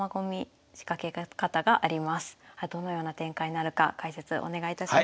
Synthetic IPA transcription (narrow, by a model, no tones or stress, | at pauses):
aɡo̞mʲi | ɕi̥kake̞kat̪aɡaʔaɾʲimasɨ̥had̪o̞no̞jo̞ːnat̪ẽ̞ŋkaiɲinaɾɯ̟ka̰kaise̞t͡sɨʔo̞̰ne̞ɡait̪aɕ